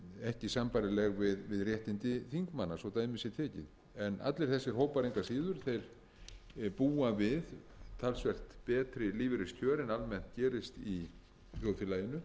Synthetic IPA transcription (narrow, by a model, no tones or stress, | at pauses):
ɛhcɪsampajɾɪlɛɣvɪðvɪðrjɛht̪ɪnt̪ɪθiŋkmanːasɔwt̪aːjmɪsɪt̪ʰɛːcɪ̰ð | ɛna̰t̪lɪɾ̥θɛsːɪɾ̥hoːwpaɾejŋkasiːðʏɾ̥θejɾ̥ | puːavɪðt̪ʰalsvɛr̥t̪pɛːt̪ɾɪliːvɪɾɪscʰœːɾɪnalmɛn̥t̪̚cɛːɾɪst̪i | θjowθɪlaːjɪnʏ